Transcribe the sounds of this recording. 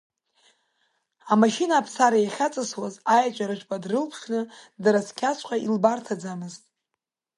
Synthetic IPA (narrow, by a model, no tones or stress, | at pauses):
amaʃinaːpʰsaɾajaχʲat͡sʼɨswazajat͡ʃʷʼaɾɨʃʷʼpʼadrɨlpʰʂnɨdaɾaskʲʰasʷʰʼqʼaʔilbartʰad͡zamɨztʼ